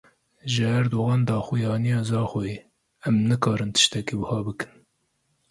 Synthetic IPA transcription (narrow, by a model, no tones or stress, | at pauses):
ʒɨhæɾd̪oːɣɑːnd̪ɑːxujɑːnijɑːzɑːxoje | ɛmnɨkɑːɾɨnt̪ʰɨ̥ʃt̪ɛkiːbɨhɑːbɨkɨ̥n